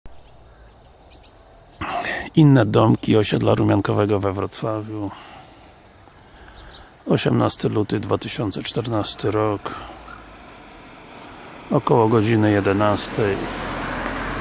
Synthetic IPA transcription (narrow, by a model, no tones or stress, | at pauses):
inːɛd̪ɔmkʲiɔɕɛd̪laɾumʲankɔvɛɡɔvɛvɾɔt̪swavʲju | ɔɕɛmnast̪ɘlut̪ɘd̪vat̪ɘɕɔnt̪sɛt͡ʂt̪ɛɾnast̪ɘɾɔk | ɔkɔwɔɡɔd͡ʑinɘjɛd̪ɛnast̪ɛj